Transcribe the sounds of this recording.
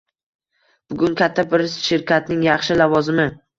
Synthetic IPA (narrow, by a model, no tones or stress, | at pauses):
b̥ʊɡʲʊŋkʲʰat̪ʰːabɪɾʃɪɾkʲʰat̪nɪŋjɑχʃɪlavɒzɪmɪ